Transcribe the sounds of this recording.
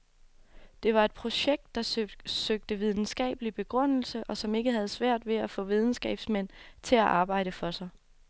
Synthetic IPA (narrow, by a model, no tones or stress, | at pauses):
d̥e̝ʋɑ̈e̝d̥̚pʰʁo̝ɕeɡ̥̚d̥ːɑ̈søɡ̥̚d̥əʋið̞ˠn̩sɡ̥ɛ̰ːb̥əlib̥e̝ɡ̥ʁɔn̰l̩səʔɒ̽sɒ̽me̝ɡ̥əɦæð̞ˠsʋæɐ̰d̥ʋe̝æfɔ̰̽ːʋið̞ˠn̩sɡ̥ɛ̰ːb̥smen̰t͡sʰe̝læʔɑ̈ːb̥ɑ̈ɪ̰ɾ̥əfɒ̽sɑ̈ɪ